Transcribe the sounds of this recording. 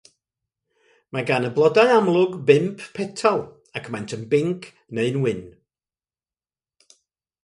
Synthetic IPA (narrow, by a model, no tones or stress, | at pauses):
maɡanəblˠɔdaɨamlˠʊɡbɪmpːʰɛtʰɔlˠ | akʰmɛntʰənbɪŋkʰ | neɨnwɪn